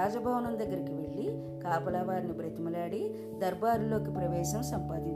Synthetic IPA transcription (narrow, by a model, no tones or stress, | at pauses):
aːd͡ʒɐbʱɐʋɐnɐmd̪ɐɡːɐɾikiʋe̞ɭːi | kaːpɐlɐʋaːɾnibɾɐt̪imɐlaːɽi | d̪ɐɾbaːɾulo̞ːkipɾɐʋɛːʃɐmsɐmpa̰ːd̪iɲt͡ʃ